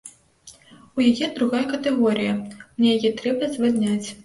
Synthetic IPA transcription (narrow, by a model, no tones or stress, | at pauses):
ujajɛd̪ɾuɣajɐkɐt̪ɛɣɔɾɨjɐmnʲɛjajɛt̪ɾɛbɐzvad̪ʲnʲat͡sʲ